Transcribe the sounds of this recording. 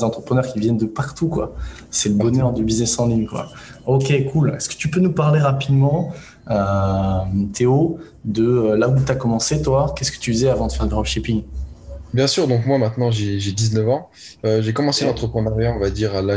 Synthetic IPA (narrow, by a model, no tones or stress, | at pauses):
zɑ̃t̪χəpχənœʁkʲivjɛnd̪əpaʁt̪ukwa̰ | sɛləbɔnœʁd̪ybiznɛsɑ̃liŋkwa̰ | okʲekʰulɛskə̥t̪ypønupaʁleʁapid̪mɑ̃ | ø | mt̪ʰeo | d̪əølaut̪yakɔmɑ̃set̪wakʲɛskə̥t̪yd̪izɛavɑ̃d̪əfɛʁd̪əʁɔlʃipiŋ | bjɛ̃syːʁd̪ɔ̃kmwamɛ̃t̪nɑ̃ʒeʒed̪iznœvɑ̃ | øʒekɔmɑ̃selɑ̃t̪χəpχənaʁjaɔ̃vad̪iʁala